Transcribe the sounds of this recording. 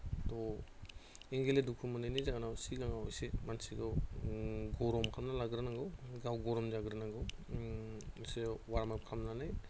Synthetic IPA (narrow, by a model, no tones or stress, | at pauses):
t̪ɔ | eŋɡeledukʰumɔnanizaɡanawsiɡaŋawisemansiɡɔ | ɡɔɾɔmkʰamnalaɡɾɯnaŋɡɯwɡawɡɔɾɔmd͡ʒaɡɾɯnaŋɡɯw | sewaɾamap̚kʰamnanaj